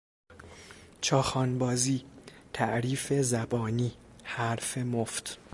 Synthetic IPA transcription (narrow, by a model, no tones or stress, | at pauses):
t͡ʃʰɒːxɒːnbɒːziːt̪ʰæʔɾiːfe̞zæbɒːniːhæɾfemoft̪